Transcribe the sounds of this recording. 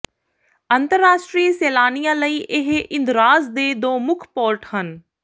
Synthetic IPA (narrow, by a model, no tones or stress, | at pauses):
ənt̪əɾːaːʃʈɾiːseːlaːnijãːləiːʔɪɦʔɪ̃nd̪ɾaːzd̪eːd̪oːmʊkʰpoːɾʈhən